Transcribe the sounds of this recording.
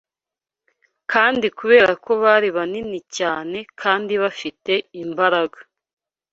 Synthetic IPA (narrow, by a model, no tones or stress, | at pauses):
kʰaːndikuβe̞ːɾakʰo̞βaːɾiβaninicaːne̞kʰaːndiβafite̞imbaɾaɡḁ